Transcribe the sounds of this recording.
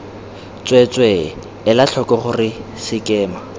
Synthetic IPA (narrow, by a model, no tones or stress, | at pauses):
t͡sʼwet͡sʼwe | ɪlaɬʰɔkʼɔχʊrɪ | sɪkʼɛːma